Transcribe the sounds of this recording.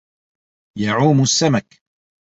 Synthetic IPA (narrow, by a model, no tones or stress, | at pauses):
jaʕuːmʊsːamak